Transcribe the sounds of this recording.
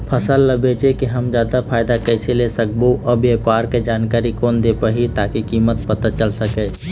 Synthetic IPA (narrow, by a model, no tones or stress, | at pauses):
pʰəsəlːəbet͡ʃekiɦəmd͡ʒaːd̪apʰaːjd̪akəɪselesək̚boʔəbjepaːɾked͡ʒaːnkaːɾikoːnd̪epəɦit̪akikimət̪pət̪at͡ʃəlsəkɛ